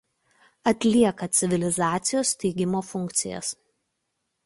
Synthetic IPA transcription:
ɐt̪ʲlʲiɛkɐt̪sʲɪʋʲɪlʲɪzɑːt̪sʲɪjoːst̪ʲɛɪɡʲɪmoːfʊŋʲˑkt̪sʲɪ̰jɛ̰s

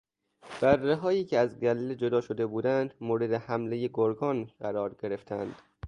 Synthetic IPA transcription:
b̥ærːeɦɒːiːcʰeæzɡæliːled͡ʒo̞d̪ɒːʃo̞d̪e̞buːd̪ænd̪moːɾe̞d̪ehæmle̞je̞ɡoɾɡɒːnɢæɾɒːɾɟe̞ɾe̞ft̪ʰænd̪̥

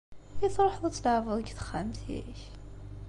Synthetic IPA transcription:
iθɾˤħðˤət͡sːləʕvəðˤɡθə̥χːamt̪jḭç

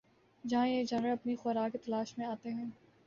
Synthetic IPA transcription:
d͡ʒɐɦãjed͡ʒɐnɾəlɐpnixɔɾaːkkːet̪ɐlaːʃmẽaːt̪eɦɛ̃ː

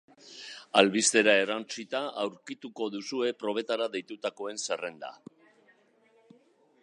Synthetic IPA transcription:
alβist̪e̞ɾae̞ɾant͡sit̪aawɾkit̪uko̞ðusue̞pɾo̞β̞e̞t̪aɾaðe̞jt̪ut̪ako̞e̞nsere̞nd̪a̰

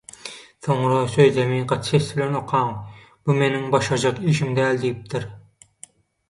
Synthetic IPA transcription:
θoɴɾɑsøzzemiqɑt̪sʰesbɪlɛnoqʰɑŋ | b̥umenɪŋbɑʃɑd͡ʒɑqiʃimd̪æld̪ijip̚t̪ʰɪɾ

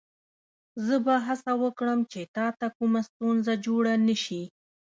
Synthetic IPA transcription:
zəbaɦasawəkɽəmt͡ʃet̪ɑt̪akumast̪unzad͡ʒoɽanəʃi

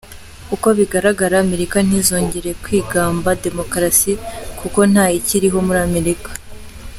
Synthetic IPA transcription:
kuko̞βiɡaɾaɡaɾaːme̞ɾikan̥izo̞ːɲɟe̞ɾe̞kwiːɡaːmbade̞mo̞kɾasikuko̞n̥haːjiciɾiɦo̞muɾame̞ɾikḁ

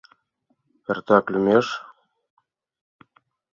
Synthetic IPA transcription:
pʲert̪aklʲymʲeʃ

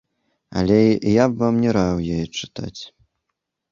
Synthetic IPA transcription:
ɐ̰lʲɛjabvamnʲɛɾawjɔjɛt͡ʂɨ̥t̪a̰t͡sʲ

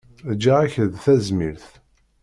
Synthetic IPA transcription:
d͡ʒaaçəðθæzmiɾθ

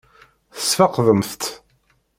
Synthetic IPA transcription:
θə̥sfɑqðəmθt̪

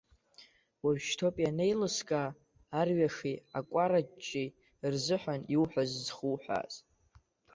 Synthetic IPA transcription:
waɥʃtʰopʼjane̞jlɨskʼaː | rɥaʂiakʷʼaɾat͡ʃʼːi | rzɨħʷaniwħʷᶣazzχuħʷᶣa̰z

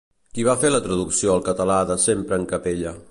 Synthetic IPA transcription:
kiβ̞afelət̪ɾəðuksioəlˠkət̪əlaðəsempɾəːŋkəpeʎə

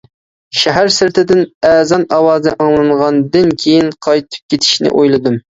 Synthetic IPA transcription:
ʃæɦæɾsɪɾt̪ʰɪd̪ɪnɛːzɑnɑwɑːznɛʔɑŋlˠɨɴʁɑnd̪ɪnkʲʰejinqʰɑjt̪ʰɨ̥p̚kʲet̪ʰɪ̥ʃnɪ̰ʔojlˠɨd̪um

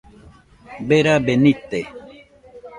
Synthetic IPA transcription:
beɾabenit̪e

